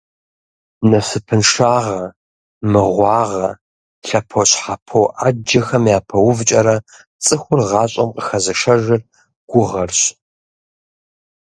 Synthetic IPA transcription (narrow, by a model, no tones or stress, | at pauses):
nɐsɨpʰɨnʂaːʁɐ | mɨʁʷɑːʁɐ | ɬɐpʰoɕħapʰoʔad͡ʒɐxɐmjaːpʰɐwʊvt͡ʃʼɐɾɐ | t͡sʼɨxʷʊrʁɑːɕʼɐmqʼəxɐzɐʃɐʒɐr | ɡ̥ʷʊʁɐrɕ